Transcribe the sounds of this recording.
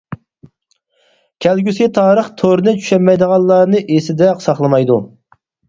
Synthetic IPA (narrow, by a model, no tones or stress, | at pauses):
kʲʰɛlɡʲysɪt̪ʰɑːɾəχt̪ʰoɾnɨt͡ʃʰy̥ʃɛmɛjd̪əʁɑlˠːɑːnɨʔesɪd̪ɛqsɑχlˠəmɑjd̪u